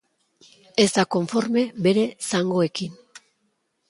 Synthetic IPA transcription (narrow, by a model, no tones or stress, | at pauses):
e̞zt̪ako̞ɱfo̞ɾme̞be̞ɾe̞saŋɡo̞e̞kin